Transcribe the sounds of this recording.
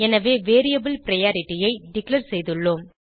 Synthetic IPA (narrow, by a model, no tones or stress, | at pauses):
ɛnɐʋeːʋeːɾijɐbɪlpɪɾɐjaːɾɪʈːɪjɐɪɖɪkɭɐɾsɛjðɯɭːoːm